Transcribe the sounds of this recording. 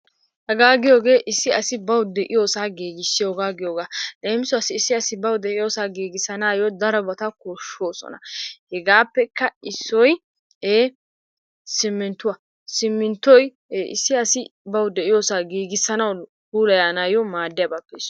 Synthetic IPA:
hɛɡaːɡɪjo̞ːɡe̞ːʔɪsːɪɐsɪbɐwʊd̪ɛʔɪjo̞ːsaːɡiːɡɪsːɪjoːɡaːɡɪjoːɡaːleːmɪsɔɐsɪːsːɪɐsɪbɐwd̪ɛʔɪjo̞ːsaːɡiːɡɪsɐnaːjod̪ɐɾɔbɐt̪ɐkoʃo̞ːsɔ̰nɐ̰hɛɡaːpːɛkːɐɪsːɔj | eː | sɪmːɪnt̪ʊwɐ | sɪmːɪnt̪ːɔjː | ʔɪ̰sːɪɐsɪbɐwd̪ɛʔɪjoːsaːɡiːɡɪsːɐnɐwkuːlɐjaːnaːjɔmaːd̪ːɪjɐbapːɛs

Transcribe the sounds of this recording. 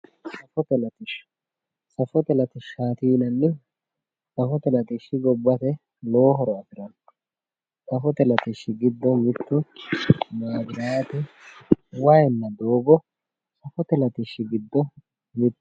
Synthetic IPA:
sɐfɔt̪ɛlɐt̪ɪʃ | sɐfɔt̪ɛlɐt̪ɪʃːaːt̪iːnɐnːɪ | sɐfɔt̪ɛlɐt̪ɪʃːɪɡɔbːɐt̪ɛ | loːɦɔɾɔɐfɪɾɐn | sɐfɔt̪ɛlɐt̪ɪʃːɪɡɪd̪ːɔmɪt̪ːʊ | maːɡɪɾaːt̪ɪ | wɐjɛnːɐd̪oːbɔ | sɐfɔt̪ɛlɐt̪ɪʃːɪɡɪd̪ːɔ | mɪt̪ː

